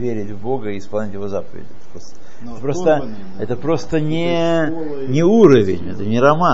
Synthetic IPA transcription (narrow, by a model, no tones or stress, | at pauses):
vʲeɾʲɪtʲvbo̞ɡəɪːspɐlˠnʲɪtʲjɪvo̞zapəvʲɪ̰dʲɪ̰ɛt̪ə̥pɾost̪ə | tɛt̪əpɾo̞st̪ə | ɛt̪əpɾo̞st̪ənʲɪ | nʲɪuɾəvʲɪ̰nʲɛt̪ənʲɪɾɐma